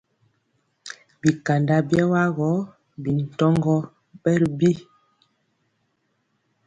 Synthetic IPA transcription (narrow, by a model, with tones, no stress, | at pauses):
bi˨ka˨nda˦bjɛ˦wa˦ɣɔ˨˦ | bi˨n̩˨tɔ˦ŋɡɔ˦ | bɛ˦ɾbi˦